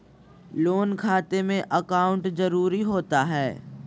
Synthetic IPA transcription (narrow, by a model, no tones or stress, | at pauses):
loːnkʰaːt̪emẽʔəkaːʊ̃ɳʈzɐɾuːɾiɦoːt̪aɦɛː